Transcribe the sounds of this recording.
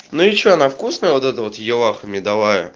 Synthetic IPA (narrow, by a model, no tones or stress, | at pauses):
nujɪt͡ɕːoɐnafkusnəjəvot̪ɛt̪əvot̪jɪlˠaxəmʲɪd̪ɐlˠajə̰